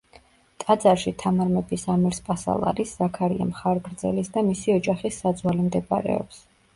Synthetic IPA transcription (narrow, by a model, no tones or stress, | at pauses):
t̪ʼad̪zaɾʃit̪ʰamaɾmɛbisamiɾspʼasa̰lˠa̰ɾisːakʰaɾia̰mχaɾɡɾd̪zɛlisd̪amisiɔd͡ʒaχisːad̪zwalimd̪ɛbaɾɛ̰ɔ̰ps